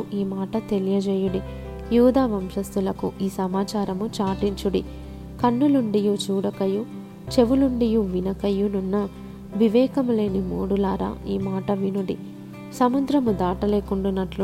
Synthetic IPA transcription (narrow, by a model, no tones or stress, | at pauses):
ʔiːmaːʈɐt̪e̞lijɐd͡ʒɛːjuɽi | juːd̪aːʋɐmʃɐst̪ulɐkuʔiːsɐmaːt͡ʃaːɾɐmut͡ʃaːʈiɲt͡ʃuɽḭ | kɐnːuluɳɖijut͡ʃuːɽɐkɐju | t͡ʃe̞ʋuluɳɖijuʋinɐkɐjununːɐ | ʋiʋɛːkɐmule̞ːnimo̰ːɽulaːɾa̰ːiːmaːʈɐʋinuɽḭ | sɐmud̪ɾɐmud̪aːʈɐleːkuɳɖunːɐʈlu